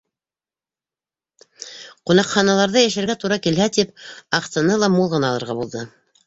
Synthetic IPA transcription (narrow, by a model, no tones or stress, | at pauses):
qunɑqχɑnɑlˠɑɾðɤjæʃɘ̆ɾɡæt̪uɾɑkilɦæt̪ip̚ɑqsɑnɤlˠɑmulˠʁɤ̆nɑːlˠɤ̆ɾʁɑbulˠðɤ